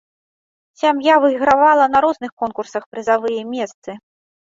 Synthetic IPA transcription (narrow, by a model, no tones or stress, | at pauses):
sʲamjavɨiɣɾavalˠɐnɐɾɔznɨxkɔnkursɐxpɾɨzavɨjɛmʲɛst̪sɨ